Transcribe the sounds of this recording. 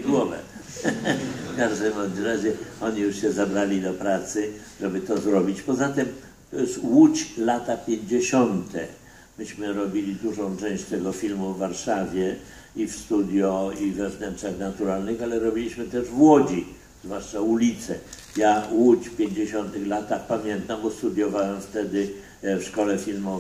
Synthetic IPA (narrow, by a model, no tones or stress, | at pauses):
ɡwɔvɛ̰ | fkaʒd̪ɛmɔmɾaʑɛɔɲijuʂɕɛzabɾalʲid̪ɔpɾat̪sɘʐɛbɘt̪ɔzɾɔbʲit͡ɕpɔzat̪ɪm | t̪ɔjɛst̪wut͡ɕlat̪apʲjeɲd͡ʑeɕɔnt̪ɛ̰ | mɘɕmɘɾɔbʲilʲid̪uʐɔ̃w̃t͡ʂɛ̃w̃ɕt͡ɕt̪ɛɡɔfʲilmuvːaɾʂavʲjɛ | ifst̪ud̪ʲjɔivːɛvnɛntaxnat̪uɾalnɘxalɛɾɔbʲilʲiɕmɘt̪ɛʐvwɔd͡ʑi | zvwaʂt͡ʂaulʲit̪sɛ | jawut͡ɕfpʲjeɲd͡ʑeɕɔnt̪ɘxlat̪axpamʲjɛnt̪ambɔst̪ud̪ʲjɔvawɛmft̪ɛd̪ɘ | fʂkɔlɛfʲilmɔ